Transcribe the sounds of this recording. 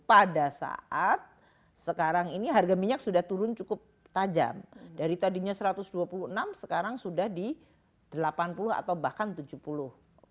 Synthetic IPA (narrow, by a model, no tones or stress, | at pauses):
padasa̰ʔat̪̚ | səkaɾaŋiniɦarɡamiɲak̚sudaht̪uɾʊnt͡ʃukʊp̚ | t̪ad͡ʒa̰mdaɾit̪adiɲasəɾat̪ʊsduapuluhənamsəkaɾaŋsudahdi | d̥əlapanpulʊɦa̰t̪awbahkant̪ud͡ʒuhpulʊh